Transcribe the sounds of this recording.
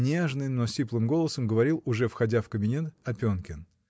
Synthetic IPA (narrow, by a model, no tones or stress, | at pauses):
nʲeʐnɨjnosʲiplˠɨmɡo̞lˠəsəmɡəvɐɾʲilˠʊʐɛfxɐdʲafkəbʲɪnʲe̞t̪ɐpʲonkʲɪn